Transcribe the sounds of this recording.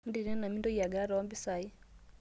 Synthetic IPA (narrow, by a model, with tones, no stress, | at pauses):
n˦di˨ɾɛ˦na˨mi˦ndɔ˦ja˨ɡa˦ɾɔ˨ɔ˦mbi˦sa˨i˦